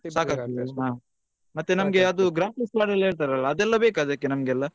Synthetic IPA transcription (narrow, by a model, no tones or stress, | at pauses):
saːkaːt̪iiɦaː | mɐt̪ːenɐmɡe̞ɐd̪uɡɾaːpislaːɽɐleːɭt̪aɾɐlːɐːd̪ɛlːɐbeːkaːd̪akːenɐmɡeɛlːɐ